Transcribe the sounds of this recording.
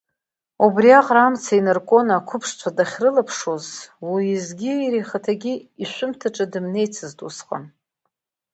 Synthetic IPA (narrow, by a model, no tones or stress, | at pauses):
ubriaqʼramt͡sʰainɨrkʷʼonakʷʰʊpʰʂt͡ʃʷʰadaχʲrɨlapʰʂo̞zwiːzɡʲiiɾiχatʰaɡʲiiʃʷʊmtʰaʈ͡ʂʼadɨmne̞jt͡sʰɨztʼusqʼa̰n